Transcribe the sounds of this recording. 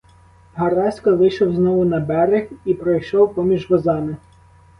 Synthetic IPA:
ɦɐɾɑsʲkɐʋɪjʃɔwznɔʋʊnɐbɛɾɪxipɾɔjʃɔwpɔmʲiʒʋɔzɑmɪ

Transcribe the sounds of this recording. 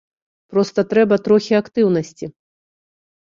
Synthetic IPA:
pɾɔst̪ɐt̪ɾɛbɐt̪ɾɔxʲiakt̪ɨwnɐsʲt͡sʲi

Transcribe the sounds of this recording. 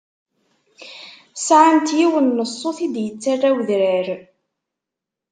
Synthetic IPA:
sʕamt̪jiwənːəsˤːoθid̪jət͡sːarːæwðɾəɾ

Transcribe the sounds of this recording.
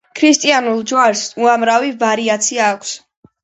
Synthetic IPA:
kʰɾist̪ʼianulˠd͡ʒwaɾsuamɾavivaɾiat̪sʰiaːkʷʰs

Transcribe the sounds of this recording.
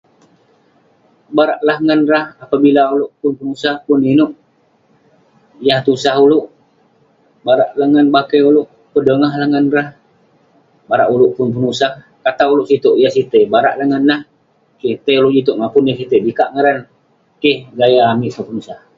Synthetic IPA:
baɾaʔlahŋənrahapabilaulʊʔpʊnpənusahpʊninʊʔ | jaht̪usaɦulʊʔ | baɾaʔlaŋənbakeulʊʔ | pədəŋaɦlahŋənrah | baɾa̰ʔulʊʔpʊnp̬ənusah | kat̪aulʊʔsit̪oʔjahsit̪ebaɾa̰ʔlaŋənlah | kiht̪əuloʔd͡ʒit̪uʔŋapʊnjahsit̪ebikaʔŋəɾan | kɪhɡajaːmiʔsəpənusah

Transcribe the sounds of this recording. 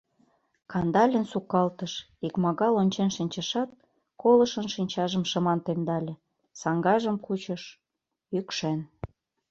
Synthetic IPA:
kɑnd̪ɑlʲənsukɑlt̪əʃ | ikmɑɣɑlonʲt͡ɕenʃinʲt͡ɕəʃɑt̪̚ | kolɤ̆ʃə̆nʃinʲt͡ɕɑʒə̆mʃə̆mɑnt̪emd̪ɑlʲĕ | sɑŋɡɑʒəmkut͡ɕə̆ʃ | ykʃen

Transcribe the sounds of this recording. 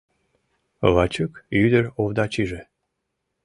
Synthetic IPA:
βɑt͡ɕukyd̪əɾovd̪ɑt͡ɕiʒe

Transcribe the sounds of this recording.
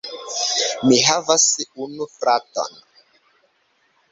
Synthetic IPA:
miɦavasunufɾato̰n

